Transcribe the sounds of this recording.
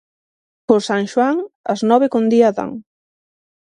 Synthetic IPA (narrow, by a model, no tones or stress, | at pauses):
kosaŋʃwaŋɐznɔβekond̪iaða̰ŋ